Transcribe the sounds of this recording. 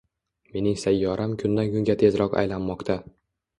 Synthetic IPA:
me̞nɪŋsajːɒɾʔamkʰʊnd̪ankʊŋɡʲat̪ʰe̞zɾɒqa̰jlanmɒqt̪ʰa

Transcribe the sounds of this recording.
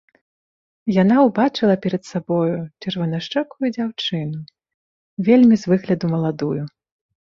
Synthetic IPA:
janawbat͡ʂɨlˠɐpʲɛɾɐt̪sabɔjut͡ʂɛrvɐnaʂt͡ʂɛkujud͡zʲawt͡ʂɨnu | vʲelʲmʲizvɨɣlʲɐd̪umɐlˠad̪uju

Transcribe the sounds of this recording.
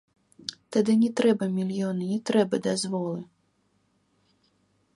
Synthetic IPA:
t̪ad̪ɨnʲɛt̪ɾɛbɐmʲilʲjɔnɨnʲɛt̪ɾɛbɐd̪azvɔlˠɨ

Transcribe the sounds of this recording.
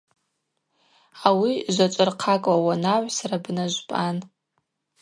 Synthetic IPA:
awiʒʷat͡ʃʷʼʊrqʰakʼwawanaʕʷsarabnaʒʷpʼan

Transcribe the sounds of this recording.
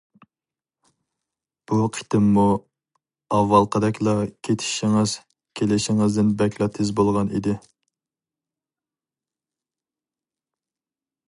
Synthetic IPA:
b̥uqʰə̥t̪ʰɪmːu | ɑwːɑlˠqʰəd̪ɛkʲlˠɑkʲʰet̪ʰɪ̥ʃɪŋɪz̥ | kʲʰelɪʃɪŋɪzd̪ɪnbɛkʲlˠɑt̪ʰɪzbolˠʁɑnḭd̪ɪ

